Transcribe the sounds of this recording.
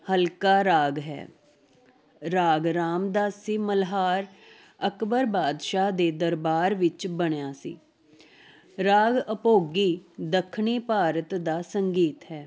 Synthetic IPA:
həlkaːɾaːɡɦɛ̰ː | ɾaːɡɾaːmd̪aːsiːməlɦaːɾ | əkbəɾbaːd̪ʃaːd̪eːd̪əɾbaːɾʋɪt͡ʃbəɽ̃jaːsḭː | ɾaːɡəpoːɡiːd̪əkʰɳiːpaːɾət̪d̪aːsəŋɡiːt̪ɦɛː

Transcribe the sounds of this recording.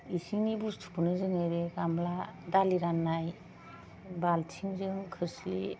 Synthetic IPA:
isiŋnibustʰu̥pʰunɯzɯŋɯɾeɡamladaliɾanːaj | baltʰiŋzɯŋkʰɯslḭ

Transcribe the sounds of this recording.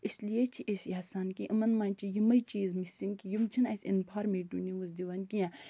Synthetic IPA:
islijet͡ʃʰiʔesjaːsaːnkiʔɐmɐnmãːnt͡ʃijimɐit͡ʃiːzmisiŋkijimt͡ʃʰinɐsʲḭnpʰaːɾmeːʈuːniʋuz̬d̪iʋɐnkijãː

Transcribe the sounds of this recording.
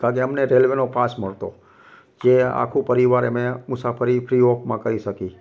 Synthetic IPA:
kãkeəmneɾelʋenopasməɭt̪o | d͡ʒea̰kʰũpəɾiʋaɾemẽmʊsafʰəɾipʰɾiokmãkəɾiʃəki

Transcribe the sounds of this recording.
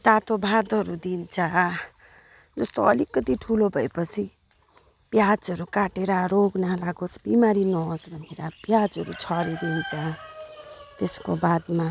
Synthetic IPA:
d̪at̪obʱad̪ʌɾud̪int͡sʰa | d͡zʌst̪oʌlikːʌt̪iʈʰulobʱʌepʌt͡sʰi | bjad͡zʌɾukaʈeɾaɾoɡnalaɡosbimaɾinʌɦosbʱʌneɾab̥jad͡zɦʌɾṵt͡sʰʌɾid̪int͡sʰa | t̪eskobad̪ma

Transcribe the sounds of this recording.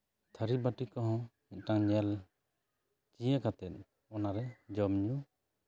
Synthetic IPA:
t̪ʰəɾibaʈikɔɦɔ̃mit̪̚ˀʈaŋɲɛl | t͡ʃijakat̪ɛt̪̚ˀ | ɔnaɾɛd͡ʒɔmɲu

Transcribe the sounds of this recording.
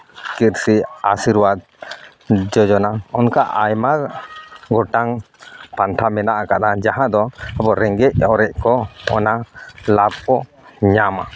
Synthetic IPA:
kiɾsiasiɾwad̪̚ | d͡ʒɔd͡ʒɔnaɔnkaʔajmaɾɡɔʈaŋ | pant̪ʰamɛnaʔakaɗ̪ad͡ʒaɦãd̪ɔabɔɾɛŋɡɛc̚ɔɾɛʔ̚kɔɔnalab̚kɔ | ɲama

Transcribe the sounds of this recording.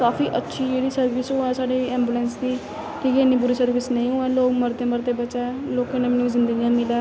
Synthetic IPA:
kaːfiːʔətːʃʰiːd͡ʒeːɽiːsəɾʋɪsɦʊɛːsaːɽeːɛːmbuːlɛ̃ːnsd̪iː | kikeɪnːiːbʊɾiːsəɾʋɪsnəĩːɦʊɛːloːkməɾt̪eːməɾt̪eːbəːt͡ʃaːloːkɪnaːmnũzɪ̃nd̪əɡijãːmɪlaː

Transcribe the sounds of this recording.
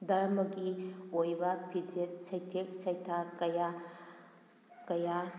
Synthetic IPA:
dɐɾmɐɡiojbɐpʰid͡ʒet̚sɐjtʰek̚sɐjtʰakɐja | kɐja

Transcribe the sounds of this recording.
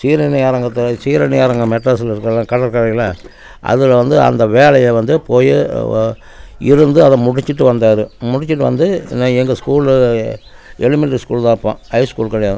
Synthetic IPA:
siːɾɐnɪjaːɾɐŋɡɐt̪ːɐsiːɾɐnɪjaːɾɐŋɡɐmɛʈːɐsɪlɪɾɯkːɐlãːkɐɽɐlkɐɽɐjɪlɐ | ʔɐ̰ðɯlʋɐnd̪ɯɐ̰nd̪ɐʋeːɭɐjeʋɐnd̪ɯpoːjɯ | ɪɾɯnd̪ɯɐðɛ̃mʊɽɪt͡ʃːɯʈːɯʋɐnd̪aːɾɯmʊɽɪt͡ʃːɯʈːɯʋɐ̰nd̪ɯnaːɛŋɡɐskuːl | ɛɭɪmɪʈːɐskuːlðãːɪɾɯpːã̰ːhɐɪskuːlkɐɭɐjaː

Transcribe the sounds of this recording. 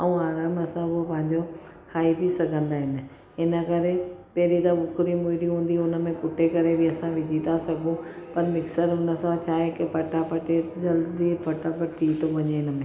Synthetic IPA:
ɐũaːɾaːmɐsãopɐ̃ɦɪ̃ɲd͡ʑo | kʰaːibʱisɐɡʱə̃nd̪aːɦɪnɪ̆ | ɦɪnə̆kɐɾepɐɦɾit̪aɓʊkɾimʊːɪɾiɦũːn̆d̪iʊnə̆mẽkʊʈʰekɐɾebʱɪɐsãʋɪd͡ʑʱit̪asɐɡʱũ | pɐɾmɪksəɾɦʊnəsãt͡ɕʰaːɦekɪpɐʈapɐʈed͡ʑɐld̪ipʰɐʈapɐʈʰiːt̪oʋɐɲeɪnəmẽ

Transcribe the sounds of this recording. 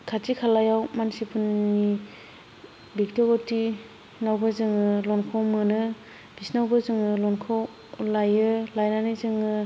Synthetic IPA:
kʰatikʰalajawmansipɯnːi | bik̚tɔɡɔti | nawbɯzɯŋɯlɔnkʰɔwmɯnɯ | b̥isnawbɯzɯŋɯlɔnkʰaw | lajɯlajnanɯzɯŋɯ

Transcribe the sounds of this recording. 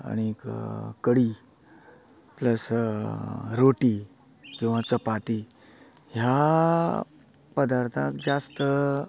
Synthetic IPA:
a̰ɽ̃ikkəɽi | pləs | ɾoʈi | kĩw̃ʋat͡səpat̪i | ɦja | pəd̪aɾt̪ʰãk̚d͡zast̪ə

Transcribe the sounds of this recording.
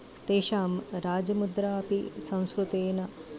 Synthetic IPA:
t̪eːʃaːmɾaːd͡ʒɐmud̪ɾaɐpisɐ̃w̃skɾut̪eːnɐ

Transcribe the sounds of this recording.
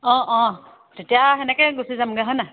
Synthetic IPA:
ɔ̃ʔɔ̃ | tetijaɦɛnɛkɛɡusizamɡaɦɔna

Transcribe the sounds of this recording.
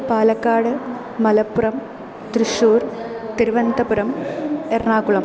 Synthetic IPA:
paːlɐkːaːɽɨ | mɐlɐpːuɾɐm | t̪ɾiʂuːɾt̪iɾuʋɐnd̪ɐpuɾɐmernaːkuɭɐm

